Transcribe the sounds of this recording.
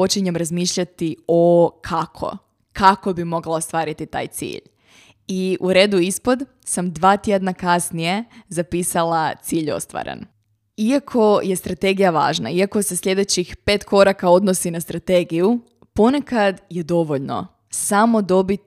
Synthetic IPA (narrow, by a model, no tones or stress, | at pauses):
o̞t͡ʃiɲemɾazmiːʃʎat̪iokʰakʰo̞̰ | kako̞bimo̞ɡlaost̪ʋaːɾit̪it̪a̰ːjt̪sḭːʎ | iuɾe̞ːd̪uispo̞d̪ | samd̪ʋaːt̪jed̪nakasnije̞zapiːsalˠat̪siːʎo̰st̪ʋa̰ɾḛn | iakʰo̞je̞st̪ɾat̪e̞ɡijaʋa̰ːʒna̰iako̞sesʎʲe̞d̪e̞t͡ɕixpe̞ːt̪ko̞ɾakao̞d̪no̞sinast̪ɾat̪eɡiju | po̞ne̞kad̪je̞d̪o̞ʋo̞ʎno̞̰ | samo̞d̪o̞bit̪